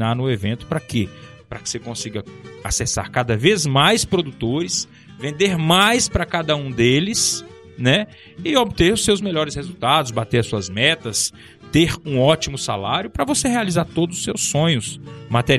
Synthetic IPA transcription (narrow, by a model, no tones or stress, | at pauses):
naɾnʊevẽnt̪ʊ̥pɾɐkɪ | pɾɐkɪ̥sekõsiɡɐa̰sesa̰ɾkad̪ɐvezmajspɾod̪ut̪oɾɪs | vẽnd̪eɾmajspɾɐkad̪ɐũd̪elɪs | nɛ | ɪobɪt̪eɾʊsewzmeʎɔɾɪshezut̪ad̪ʊzbat̪eɾɐsuɐzmɛt̪ɐs | t̪eɾũɔt͡ʃimʊsa̰laɾjʊpɾɐvosehealizaɾt̪od̪ʊzʊ̥sewsːõɲʊsmat̪eɾ